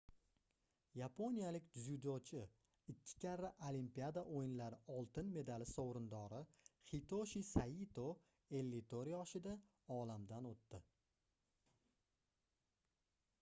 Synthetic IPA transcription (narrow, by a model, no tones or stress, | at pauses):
japʰonijalɪk̪ʲzud̪ot͡ʃʰɪ | ɪkʲʰːɪ̥kʲʰaɾɪʔolimpiad̪aʔojɪnlaɾɪʔɒlˠt̪ɪnme̞d̪alɪsowɾɪnd̪ɒɾɪχit̪ʰoʃisait̪ʰo | e̞lːɪt̪ʰoɾjɒʃɪd̪a | ɒlamd̪anot̪ːɪ